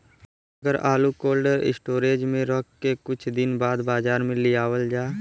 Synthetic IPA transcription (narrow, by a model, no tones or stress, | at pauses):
ɐɡəɾaːlukoːlɖəɾɪ̰sʈoːɾeːd͡ʒmẽɾɔːkːekʊt͡ʃʰd̪ɪnbaːd̪baːzaːɾmẽlɪjaːwəld͡ʒaː